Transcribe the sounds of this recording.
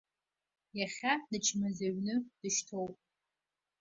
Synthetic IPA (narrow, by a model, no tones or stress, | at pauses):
jaχʲadɨt͡ʃʰmɨzaɥnɨd̥ɨʃtʰowpʼ